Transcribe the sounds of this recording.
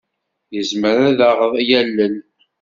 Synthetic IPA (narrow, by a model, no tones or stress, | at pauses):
jəzməɾæðaʁəðˤjælːən